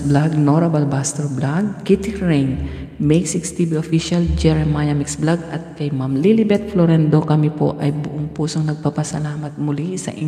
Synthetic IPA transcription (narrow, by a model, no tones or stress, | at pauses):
blaɡ̚noɾɐbɐlbast̪ɛɹblaɡ̚kit̪iɹɛjn | mɛjɡsɪkst̪ibiʔofiʃɐld͡ʒɛɹɛmajɐmɪksblaɡɐt̪̚kɐjmamlilɪbɛt̪̚floɾɛnd̪okɐmipo̞̰ʔɐjbʊʔʊŋpuːsoŋnɐɡ̚papɐsɐlaːmɐt̪̚mʊlisɐ̰ʔɪ